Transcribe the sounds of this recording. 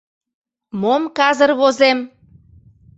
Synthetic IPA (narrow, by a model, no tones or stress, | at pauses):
momkɑzərβozem